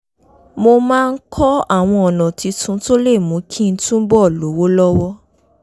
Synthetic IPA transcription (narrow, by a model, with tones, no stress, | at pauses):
mo˧mãː˦˧n̩˦kʰɔ˦a̰˦˨w̃ɔ̃˧ɔ˨nã˨ti˨˧tʰũ˨˦to˦le˦˨mũ˨˦kʰĩ˦n̩˦tũ˦bɔ˦˨lo˨˦wo˦lɔ˦wɔ˦